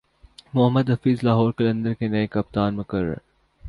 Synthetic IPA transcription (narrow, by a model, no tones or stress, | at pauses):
mʊɦəmːəd̪ɦɐfiːzlaːɦɔːɾkɐlɐ̃nd̪əɾkenɐekɐp̚t̪aːnmʊkɐɾːə̰ɾ